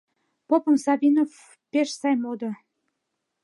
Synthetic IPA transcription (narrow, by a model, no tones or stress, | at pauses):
popə̆msɑβʲinof | peʃsɑjmod̪ŏ